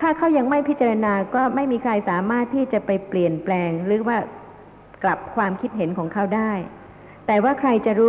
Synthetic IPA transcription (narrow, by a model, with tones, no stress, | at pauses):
t̪ʰaː˥˩kʰa˦˥wja˧ŋma˥˩jpʰi˦˥t̪̚t͡ɕa˧ɾa˧naː˧kɔː˥˩ma˥˩jmiː˧kʰɾa˧jsaː˩˦maː˥˩t̪ʰːiː˥˩t͡ɕa˨˩pa˧jpli˨˩ənplɛː˧ŋɾɯː˩˦˥waː˥˩ | kla˨˩p̚kʰwaː˧mkʰi˦˥t̪̚ɦe˩˦nkʰɔː˩˦ŋkʰa˦˥˩wdaː˥˩j | t̪ɛː˨˩waː˥˩kʰɾa˧jt͡ɕa˨˩ɾuː˦˥